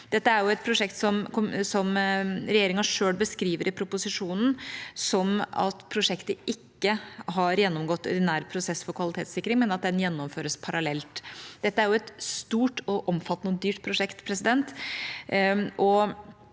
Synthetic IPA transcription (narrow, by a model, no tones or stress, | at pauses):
d̪̥ɛt̪ːəæɾjʊɛt̪̚pʰɾʊʂɛkt̪sɔmksɔmɾɛjeːɾɪŋɑʂøːɭbəskɾiːʋəɾɪpʰɾʊpʊsɪʂuːnən̩sɔmɑ̰t̪pʰɾʊʂɛkt̪əɪkːəɦɑɾjɛnːɔmɡɔt̪ːɔ̰d̪ɪnæːɾpʰɾʊsɛsfɔɾkʰʋɑlɪt̪ʰeːt̪sɪkːɾɪŋmɛnɑt̪̚d̪ɛnjɛnːɔmføːɾəspʰɑɾɑlɛlt̪d̪̥ɛt̪ːəæɾjʊɛt̪st̪uːʈɔʔɔmfɑt̪ːənəɔd̪yːʈpʰɾʊʂɛkt̪pʰɾɛsɪd̪ɛnt̪ | ʔɔ